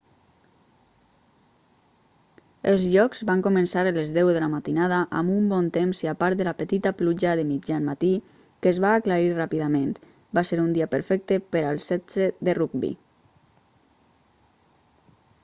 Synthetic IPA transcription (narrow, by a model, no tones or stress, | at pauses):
əlˠzʎɔkz̥βaŋkomənsaɾələzðɛwðəlamat̪inað̞aʔamumbɔnt̪emsiapaɾt̪d̪əlapət̪it̪apluʒaðəmid͡ʒamat̪i | kəzβaːklaɾirapiðamẽnt̪ | baseɾund̪iapəɾfɛk̚t̪əpəɾalˠsɛz̥əðəruk̚bḭ